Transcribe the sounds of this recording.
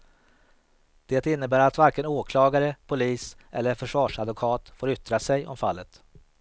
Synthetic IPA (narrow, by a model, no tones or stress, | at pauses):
d̪̥eːt̪ɪnːəbæːɾat̪vaɾkənoːkʰlɑːɡaɾəpʰʊliːsʔɛ̰lːəɾfœʂvɑːʂad̪vʊkʰɑːt̪foːɾʏt̪ːɾasɛjɔ̰mfalːət̪